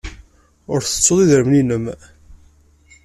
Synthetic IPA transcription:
ʊɾθə̥t͡sːoðˤiðəɾəmninəm

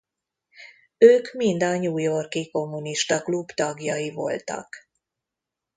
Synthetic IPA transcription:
øːkmind̪ɒɲuːjo̞rkiko̞mːuniʃt̪ɒklubt̪ɒɡjɒjivo̞̰lt̪ɒ̰k

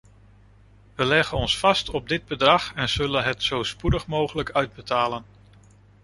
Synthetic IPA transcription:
ʋəlɛχənɔnsfɑstɔb̚dɪd̚bədrɑχɛnz̥ɵlənɦətsowspudəχmowχələkœɥd̚bətaːlən

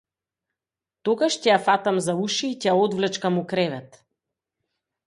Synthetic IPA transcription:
t̪ɔɡaʃcɛjafat̪amzauʃiːcɛjaɔd̪vlɛt͡ʃkamukɾɛvɛt̪

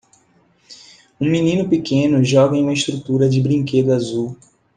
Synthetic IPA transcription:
ũminĩnʊpikẽnʊʒɔɡɐẽũmɐɪʃt̪ɾut̪uɾɐd͡ʒɪbɾĩŋked̪ʊazuw

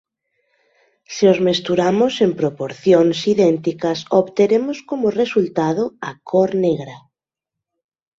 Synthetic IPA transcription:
seozmest̪uɾamʊsempɾopoɾθjoŋsiðɛnt̪ikɐsoβt̪eɾemʊskomʊresult̪að̞ʊɐkʰoɾneɣɾɐ

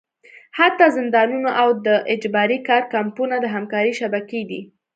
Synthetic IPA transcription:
hat̪ɑzɪnd̪ɑnunoʔawd̪əʔɪd͡ʒbɑɾikɑɾkampunad̪əɦamkɑɾiʃabaked̪ḭ

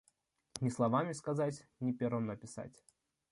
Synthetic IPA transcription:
nʲɪslˠɐvamʲɪskɐzatʲnʲɪpʲeɾvɨmnəpʲɪsa̰tʲ

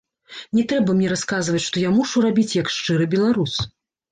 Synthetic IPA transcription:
nʲɛt̪ɾɛbɐmnʲɛɾaskazvɐt͡sʲʂt̪ɔjamuʂurabʲit͡sʲjɐkʂt͡ʂɨɾɨbʲɛlˠaɾus

